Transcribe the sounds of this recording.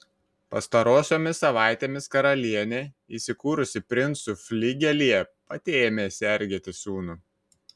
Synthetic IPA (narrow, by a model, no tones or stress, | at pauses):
pɐ̰st̪ɐɾoːsʲoːmʲɪsːɐʋɑˑɪt̪ʲeːmʲɪskɐɾɐlʲiɛnʲeː | iːsʲɪkuːɾʊsʲɪpʲɾʲɪnt̪sʊfʲlʲɪɡʲɛlʲijɛpɐt̪ʲeːmʲeːsʲɛɾʲɡʲeːt̪ʲɪsuːnʊ